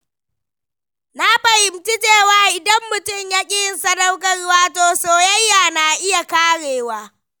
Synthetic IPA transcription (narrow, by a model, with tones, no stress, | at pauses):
na˦ɸɐ˨hɪ˨mti˦teː˦˨waː˦ʔɪ˨dɐ˦mːʊ˨tʊ˦˨mjaː˦kʲʼɪ˦jɪ˨nsɐ˦nɐ˦wkɐ˨rʊ˦waː˦toː˦soː˦jɐ˦jːaː˨na˨ʔɪ˦ja˨kaː˦ɽeː˨waː˦